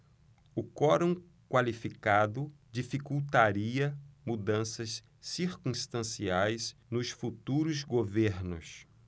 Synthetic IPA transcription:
ʊkɔɾõ | kwalifikad̪ʊ | d͡ʒifikuwt̪aɾiɐmud̪ɐ̃sɐs | siɾkũst̪ɐ̃siajznʊsfut̪uɾʊzɡoveɾnʊ̰s

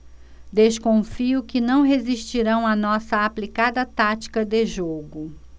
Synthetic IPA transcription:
d̪eskõfiʊkɪnɐ̃w̃ɦeziʃt͡ʃiɾɐ̃w̃ɐnɔsɐaplikad̪ɐt̪at͡ʃi̥kɐd̪eʒoɡʊ

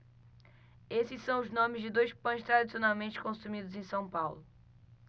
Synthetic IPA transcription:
esɪssɐ̃w̃ʊznõmɪzd͡ʒɪd̪ojʃpɐ̃j̃ʃt̪ɾad̪isionawmẽnt͡ʃɪ̥kõsumid̪ʊzẽj̃sɐ̃w̃pawlʊ

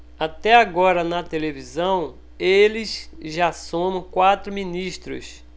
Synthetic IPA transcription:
at̪ɛaɡɔɾɐnɐt̪elevizɐ̃w̃ | elɪzʒasõmɐ̃kwat̪ɾʊmĩniʃt̪ɾʊ̰s

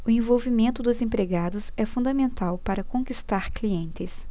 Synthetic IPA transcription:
ʊẽvowvimẽnt̪ʊd̪ʊzẽpɾeɡad̪ʊsɛfũnd̪ɐmẽnt̪awpaɾɐkõkist̪aɾkliẽnt̪ɪs

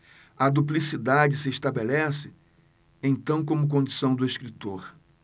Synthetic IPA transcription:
ɐd̪uplisid̪ad͡ʒɪsɪeʃt̪abelɛsɪ | ẽt̪ɐ̃w̃k̬õmʊk̬õd͡ʒisɐ̃w̃d̪ʊesʃkɾit̪oɾ

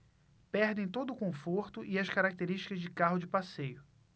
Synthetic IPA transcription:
pɛɾd̪ẽj̃t̪od̪ʊkõfoɾt̪ʊʔiɐskaɾak̚t̪eɾiʃt͡ʃi̥kɐzd͡ʒɪkaɦʊd͡ʒɪpasejʊ

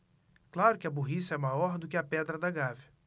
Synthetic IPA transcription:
klaɾʊkɪɐboɦisɐɛmajɔɾd̪ʊkɪɐpɛd̪ɾɐd̪ɐɡavɪ

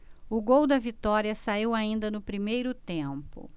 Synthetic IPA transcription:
ʊɡowd̪ɐvit̪ɔɾiɐsaiwaĩnd̪ɐnʊpɾimejɾʊt̪ẽpʊ̰

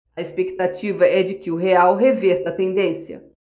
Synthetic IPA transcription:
ɐespekt̪at͡ʃivɐɛd͡ʒɪkɪʊɦeawɦeveɾt̪ɐt̪ẽnd̪ẽsjɐ̰

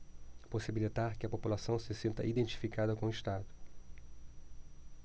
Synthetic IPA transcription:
posibilit̪aɾkɪɐpopulasɐ̃w̃sɪsĩnt̪ɐ̰ʔid̪ẽnt͡ʃi̥fikad̪ɐkõiʃt̪ad̪ʊ

